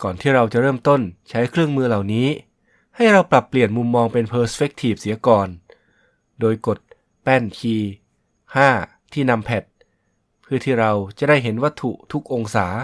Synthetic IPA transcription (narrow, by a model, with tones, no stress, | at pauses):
kɔː˨˩nt̪ʰiː˥˩ɾa˧wt͡ɕa˨˩ɾɤː˥˩mt̪o˥˩nt͡ɕʰa˦˥jkʰɾɯ˥˩əŋmɯː˧la˨˩wniː˦˥ | ha˥˩jɾa˧wpla˨˩pːli˨˩ənmu˧mːɔː˧ŋpe˧npʰɤː˦˥sfe˦˥k̚t̪ʰiː˨˩p̚si˩˦ɐkɔː˧n | doː˧jko˨˩t̪̚ | pɛ˥˩nkʰiː˧ | haː˥˩ | t̪ʰiː˥˩na˧mpʰɛ˨˩t̪̚ | pʰːɯ˥˩ɐt̪ʰiː˥˩ɾa˧wt͡ɕa˨˩da˥˩jɦe˩˦nwa˦˥t̪ʰːṵ˨˩ʔt̪ʰu˦˥k̚ʔo˧ŋsaː˩˦